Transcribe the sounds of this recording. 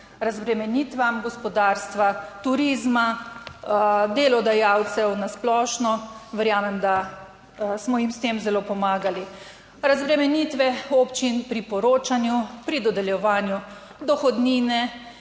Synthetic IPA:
ɾazbɾɛmɛniːt̪ʋamɡɔspɔd̪aːɾst̪ʋat̪uɾiːzma | d̪elɔd̪ajaːwt̪sɛwnasplɔːʃnɔʋɛɾjaːmɛmd̪a | smɔjimst̪eːmzɛloːpɔmaːɡali | ɾazbɾɛmɛniːt̪ʋɛopt͡ʃinpɾipɔɾoːt͡ʃanjupɾid̪ɔd̪ɛljɛʋaːnju | d̪ɔxɔd̪niːnɛ

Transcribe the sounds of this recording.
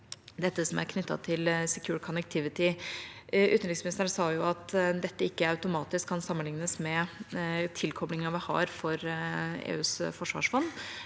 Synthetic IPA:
d̪ɛt̪ːəsɔmæ̰ɾkʰnʏt̪ːɑ̰t̪ʰɪlsɛkʰjʉːɾkʰɔnək̚t̪ʰɪʋɪt̪ɪ | ʔʉːt̪nɪsmɪnɪst̪əɾəsɑːjʊɑt̪d̪ɛt̪ːəɪkːəɑʉt̪ʊmɑːt̪ɪskʰːɑnsɑmːənlɪŋnəsmɛ | t̪ʰɪlkʰɔblɪŋɑʋɪhɑ̰ɾfɔɾḛːʉːsfɔʂʋɑ̰ːʂfɔn

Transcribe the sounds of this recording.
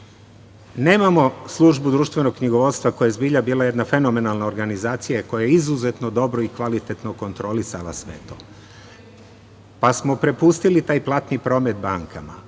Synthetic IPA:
ne̞ːmamo̞slˠuʒbud̪ɾuːʃt̪ʋe̞noɡkkɲiɡo̞ʋo̞t̪st̪ʋako̞jezbiːʎabiːlaje̞d̪nafe̞no̞me̞nalnao̞ɾɡanizaːt̪sijako̞jajeizuze̞t̪no̞d̪o̞bɾo̞ikʋalit̪et̪no̞ko̞nt̪ɾo̞lisalˠa̰sʋe̞̰t̪o̞̰ː | pasmo̞pɾe̞pust̪ilit̪aːjplˠat̪nipɾo̞ːme̞t̪̚baŋkama̰

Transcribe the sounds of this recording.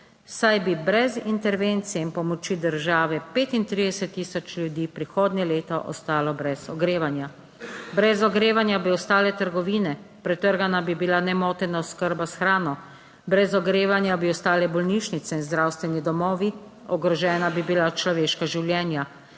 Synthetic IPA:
sajbibɾɛzint̪ɛɾʋeːnt̪sijɛinpɔmɔt͡ʃiːd̪əɾʒaːʋɛpeːt̪int̪ɾiːd̪ɛsɛt̪ːiːsɔt͡ʃlʲjud̪iːpɾixoːd̪nɛleːt̪ɔʔɔ̰st̪aːlɔbɾɛzɔɡɾeːʋanja | bɾɛzɔɡɾeːʋanjabiɔst̪aːlɛt̪əɾɡɔʋiːnɛpɾɛt̪əɾɡanabibilanɛmoːt̪ɛnaɔskəɾbasxɾaːnɔ | bɾɛzɔɡɾeːʋanjabiɔst̪aːlɛbɔlniːʃnit̪sɛinzd̪ɾawst̪ʋɛnid̪ɔmɔːʋi | ɔɡɾɔʒɛːnabibilat͡ʃlɔʋeːʃkaʒiwljɛːnja

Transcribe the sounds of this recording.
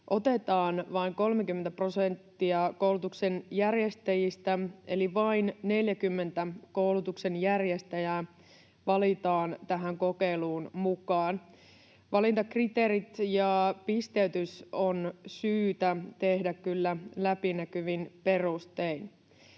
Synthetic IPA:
ʔot̪et̪ɑːnʋɑiŋko̞lmek̟ymːent̪æpro̞sent̪ːiɑkowlut̪uksenjærjest̪æjist̪æeliʋɑinne̞ljækymːe̞nt̪ækowlut̪ukse̞njærjest̪æjæ | ʋɑlit̪ɑːnt̪æɦæŋko̞keiluːnmukɑːn | ʋɑlint̪ɑkrit̪eːɾit̪jɑpist̪eyt̪ysonsyːt̪æt̪e̞hdækkylːælæpinækyʋinpe̞rust̪ein

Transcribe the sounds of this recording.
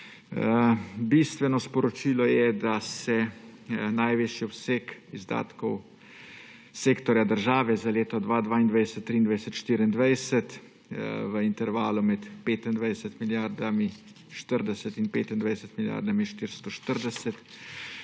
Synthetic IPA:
bist̪ʋɛnɔspɔɾɔt͡ʃiːlɔjɛd̪asɛ | najʋeːʃjiɔpseːkizd̪a̰ːt̪kɔw | seːkt̪ɔɾjad̪əɾʒaːʋɛzaleːt̪ɔd̪ʋaːd̪ʋaːind̪ʋajd̪ɛsɛt̪ːɾiːnd̪ʋajsɛt̪ʃt̪iɾind̪ʋajsɛt̪ | ʋəint̪ɛɾʋaːlumɛt̪peːt̪ind̪ʋajd̪ɛsɛt̪miljaɾd̪ami | ʃt̪əɾd̪ɛsɛt̪inpḛːt̪ind̪ʋajd̪ɛsɛt̪milja̰ɾd̪amiʃt̪iɾst̪ɔʃt̪əɾd̪ɛsɛt̪

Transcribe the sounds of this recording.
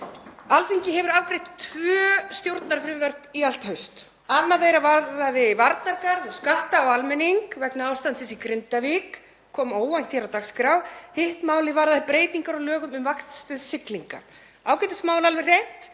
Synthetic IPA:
alfiɲcɪɦɛvʏɾavkɾejht̪t̪ʰvœːst̪jowɾt̪naɾfɾɪvœɾ̥t̪ial̥t̪hœɥst̪ | anːaðejɾavaðaðɪvaɾt̪naɾkaɾðʏskalt̪aːwalmɛniŋkvɛknaaːwst̪ant̪sɪsikɾɪnt̪avik | kʰːɔːmoːwvajn̥t̪çɛɾawt̪axskɾawhɪht̪maːwlɪvaɾðaðɪpɾeːjt̪iŋkaɾalœːɣʏmʏmvaxt̪st̪œðsɪkliŋka̰ | aːwkɛjt̪asmaːwlalvɪr̥ejht̪

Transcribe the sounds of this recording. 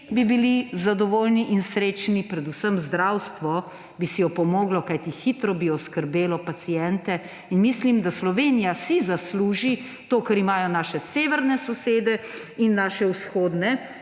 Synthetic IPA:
bibilizad̪ɔʋoːlniʔinsɾeːt͡ʃnipɾɛd̪usəmzd̪ɾawst̪ʋɔ | bisijɔpɔmɔːɡlɔkajt̪ixit̪ɾɔbiɔskəɾbeːlɔpat̪sijɛnt̪ɛ | inmislimd̪aslɔʋeːnijasizasluːʒi | t̪oːkɐɾimaːjɔnaːʃɛseːʋɛɾnɛsɔseːd̪ɛ | inːaːʃɛusxoːd̪nɛ

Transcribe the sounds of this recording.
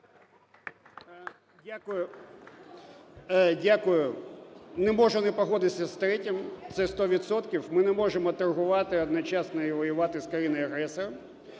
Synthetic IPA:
dʲakʊjʊ | dʲakʊjʊ | nɛmɔʒʊnɛpɔɦɔd̪ɪsʲɐst̪ɾɛtʲimt̪sɛst̪ɔʋʲit̪sɔt̪kʲiwmɪnɛmɔʒemɔt̪ɐrɦʊʋɑt̪ɪɔd̪nɔt͡ʃɑsnɔiʋɔjʊʋɑt̪ɪskɾɐjʲinɐɐɦɾɛsɔɾɐm

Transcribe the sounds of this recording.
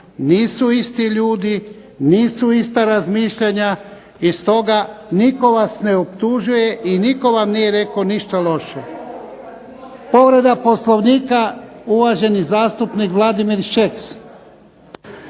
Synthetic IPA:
niːsuist̪iʎuːd̪i | niːsuist̪aɾazmiːʃʎaɲa | ist̪o̞ɡaniko̞ʋasne̞opt̪uʒuje̞ʔiniko̞ʋamnije̞ɾe̞koniʃt̪alo̞ʃe | po̞ʋɾe̞d̪apo̞slˠo̞ʋniːkauʋaʒe̞nizaːst̪upnikʋlˠad̪imiɾʃeks

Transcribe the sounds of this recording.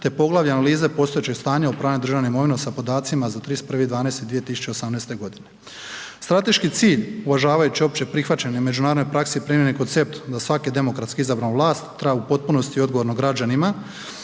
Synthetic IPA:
t̪e̞po̞ɡlˠaʋjeanaliːze̞po̞ːst̪o̞jet͡ɕe̞ɡst̪aːɲaopɾaːned̪ɾr̩ʒaʋnoimo̞ʋinosapo̞d̪aːt̪simazat̪ɾiːspr̩ʋid̪ʋaːnest̪ed̪ʋije̞t̪isu̥t͡ʃe̞osamnest̪e̞ɡo̞d̪ine̞ | st̪ɾat̪e̞ʃkit̪siːʎuʋaʒaːʋajut͡ɕio̞p̚t͡ɕepɾixʋat͡ɕeneme̞d͡ʒunaːɾod̪nojpɾaksepɾiːmjeneko̞nt̪se̞p̚t̪d̪asʋaked̪e̞mo̞kɾat̪kiizabɾanoʋlˠaːst̪ːɾajupo̞t̪̚puno̞st̪io̞d̪ɡo̞ʋoɾno̞ɡɾad͡ʑanima

